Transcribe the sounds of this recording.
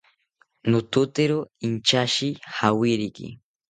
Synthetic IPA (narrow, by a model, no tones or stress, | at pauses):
nʊt̪ʊt̪eɾoɪnt͡ʃaʃɪhawɪɾɪkɪ̰